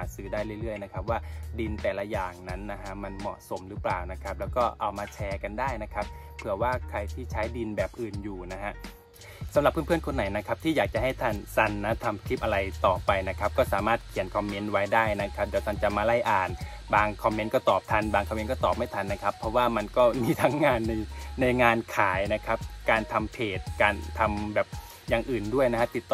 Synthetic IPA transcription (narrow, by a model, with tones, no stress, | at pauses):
aː˨˦˥sɯː˨˦daː˥˩jlɯ˥˩jlɯ˥˩əjna˦˥kʰa˦˥p̚waː˥˩di˧nt̪ɛː˨˩la˦˧˥jaː˨˩ŋna˦˥nːa˦˥ɦʰa˦˥ma˧nmɔ̰˨˩so˩˦mɾɯː˦˥plaː˨˩wna˦˥kʰa˦˥p̚lɛː˦˥wkɔː˥˩ʔa˧wmaː˧t͡ɕʰɛː˧ka˧ndaː˥˩jna˦˥kʰa˦˥p̚ʰːɯ˨˩ɐwaː˥˩kʰɾa˧jt̪ʰiː˥˩t͡ɕʰaː˦˥jdi˧nbɛː˨˩p̚ʔɯː˨˩njuː˨˩na˦˥ɦa˦˥ʔ | sa˨˦mla˨˩pʰːɯ˥˨˩pʰə˨nkʰo˧nːa˩˦jna˦˥kʰa˦˥p̚t̪ʰiː˥˩jaː˨˩k̚t͡ɕa˨˩ha˥˩jt̪ʰa˥˩nsa˧˩nːa˦˥t̪ʰa˧mtʰi˦˥p̚ʔa˧ɾa˧jt̪ɔː˨˩pa˧jna˦˥kʰa˦˥p̚kɔː˥˩saː˩˦maː˥˩t̪̚kʰi˨˩˦ənkʰɔ˧mːe˦˥nwa˦˥jdaː˥˩jna˦˥kʰa˦˥p̚deː˧wt̪ʰa˥˩nt͡ɕa˨˩maː˧la˥˩jʔaː˨˩n | baː˧ŋkʰɔ˧mːe˦˥nkɔː˥˩t̪ɔː˨˩p̚t̪ʰa˧nbaː˧ŋkʰɔ˧me˦˥nkɔː˥˩t̪ɔː˨˩p̚ma˥˩jt̪ʰa˧nːa˦˥kʰa˦˥pʰːɔ˦˥waː˥˩ma˧nkɔː˥˩miː˧t̪ʰa˦˥ŋːaː˧nːɯ˧ŋna˧jŋaː˧nkʰaː˩˦jna˦˥kʰa˦˥p̚kaː˧nt̪ʰa˧mpʰeː˨˩t̪̚kaː˧nʰːa˧mbɛː˨˩p̚ | jaː˨˩ŋʔɯː˨˩ndu˥˩əjna˦˥kʰa˦˥t̪i˨˩t̪ːɔ